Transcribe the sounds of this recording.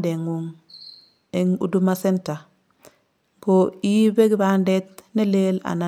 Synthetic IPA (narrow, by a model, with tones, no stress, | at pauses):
de˨ŋuŋ | eŋṵ˨du˦mase˦nta˨ | koibe˦ɡi˦bande˦tne˦lela̰˨na